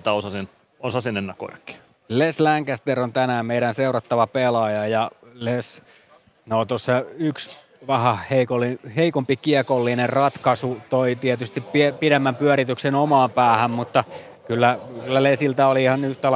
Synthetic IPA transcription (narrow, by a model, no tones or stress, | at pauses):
t̪æosɑsin | osɑsinenːæko̰rkːi̥ | leslæŋkæst̪eront̪ænæːmmeiɾænseurɑt̪ːɑʋɑpelɑjɑjɑles | noːt̪osːɑyks | ʋɑhæheikolːiheikompikiɛkolːinerrɑt̪kɑsut̪oit̪iɛt̪yst̪ippiepiɾemːæmpyæɾit̪yksenomɑːmpæːhæmmut̪ːɑ | kylːækylːælesilt̪æoliihɑnyht̪æl